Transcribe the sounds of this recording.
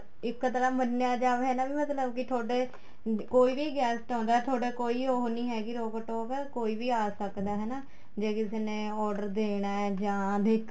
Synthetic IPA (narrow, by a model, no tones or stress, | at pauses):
ɪkːət̪əɾaːmənːejaːd͡ʒaːʋeɦɛːnaːbiːmət̪ləbkɪt̪ʰoːɽeː | koːiːʋiːɡɛːsʈɔ̃ːnd̪aːɦɛːt̪ʰoːɽeːkoːiːoːɦoniːɦɛːɡiːɾoːkəʈoːpɛkoːiːʋiːaːsəkd̪aːɦɛːnaː | d͡ʒeːkɪseːnẽːɔːɖəɾd̪eːɽaːɛːd͡ʒãːd̪eːkʰ